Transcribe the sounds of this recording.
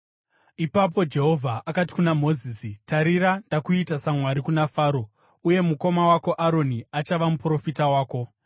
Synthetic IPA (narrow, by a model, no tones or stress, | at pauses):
ipap̬o̞d͡ʒe̞ɦo̞vʱaʔakati̥kunamo̞ziːsitaɾiɾandakuitasamwaɾikunafaːɾo̞ | uje̞muko̞mawako̞ʔaɾo̞niat͡ʃaʋamupro̞fitawaːko̞